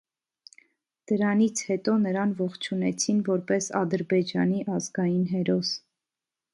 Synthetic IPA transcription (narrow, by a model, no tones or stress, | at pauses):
d̪̥əɾɑnit͡sʰhɛt̪ɔnəɾɑnvɔχt͡ʃʰunɛt͡sʰinvɔɾpɛsɑ̰d̪əɾbɛd͡ʒɑniʔɑzɡɑjinɦɛɾɔs